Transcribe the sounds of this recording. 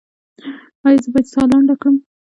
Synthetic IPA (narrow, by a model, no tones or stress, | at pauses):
ɑjzəbɑjd̪sɑlaɳɖakɽəm